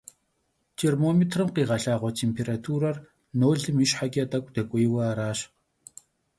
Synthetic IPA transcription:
tʰermomet̪ʰrə̆mqiːʁaɬaːʁɔt̪ʰempʰerat̪ʰuːrar | noːɮə̆miʃħaɡʲat̪akʷt̪akʷʼejwɐaɾaːʃ

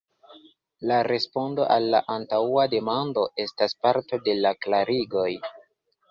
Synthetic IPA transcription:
laɾe̞spo̞ndo̞ʔalːa̰ʔantawade̞mando̞ʔe̞staspaɾto̞de̞laklaɾiɡo̞j

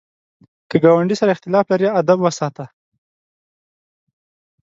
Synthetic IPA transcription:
kəɡɑwaɳɖisaɾaɪxt̪ɪlɑflaɾiad̪abwəsɑt̪a

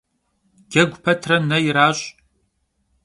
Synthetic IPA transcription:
ɡ̥ʲɐɡʷʊpʰɐtʰrɐnɐjɪɾaːɕʼ

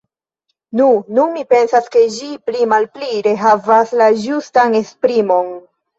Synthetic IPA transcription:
nununmipe̞nsaske̞d͡ʒiplimalpliɾe̞ɦavaslad͡ʒustane̞spɾimo̞n

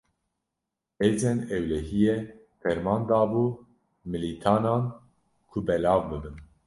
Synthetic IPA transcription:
ɛd͡ʒɛnɛwlɛɦijɛ | fɛɾmɑːnd̪ɑːbuː | mɨlit̪ʰaːnɑːn | kʰʊbɛlɑːvbɨbɨn

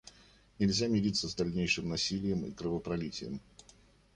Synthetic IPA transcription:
nʲɪlʲzʲamʲɪɾʲit̪səzd̪ɐlʲnʲejʂɨmnɐsʲilʲɪjəmḭkɾəvəpɾɐlʲitʲɪ̰jɪ̰m

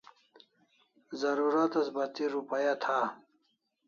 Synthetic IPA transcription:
zɐɾuɾat̪ɐsbɐt̪iɾupajat̪ʰa

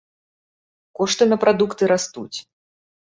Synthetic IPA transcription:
kɔʂt̪ɨnɐpɾad̪ukt̪ɨɾast̪ṵt͡sʲ

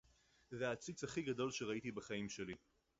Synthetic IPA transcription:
zeat͡sit͡shaχiɡado̞lʃeʁait̪ibaχaimʃe̞li

